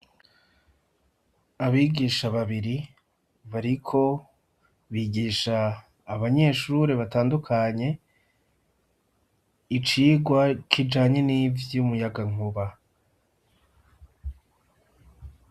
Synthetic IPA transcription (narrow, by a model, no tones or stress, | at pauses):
aβiːɡiːʃaβaβiɾi | βaɾikʰo̞ | βiːɡiːʃaː | βaɲe̞ːʃuɾeβataːndukʰaɲe̞ | it͡ʃiːɡwakʰid͡ʒaːɲe̞nivjumujaɡaŋ̥uβa